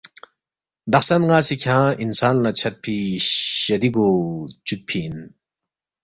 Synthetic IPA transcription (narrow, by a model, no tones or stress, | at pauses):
d̪aχsanŋasikʰãːinsaːnlat͡ɕʰɐt̪̚pʰiɕɐd̪ikoːt͡ɕuk̚pʰiːn